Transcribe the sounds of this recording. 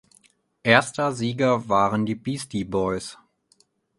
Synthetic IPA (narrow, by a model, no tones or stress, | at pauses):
ʔeːɐstɐziːɡɐvaːʁəndiːbiːstibɔʏs